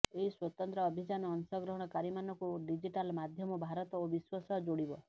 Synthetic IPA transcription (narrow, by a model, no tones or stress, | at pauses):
eɦiswɔt̪ɔnt̪ɾɔːbʱid͡ʒanɔːnsɔɡɾɔɦɔɽ̃ɔkaɾimanɔkuɖid͡ʒiʈalmad̪ʱjɔmɔbʱaɾɔt̪ɔobiswɔsɔd͡ʒoɽibɔ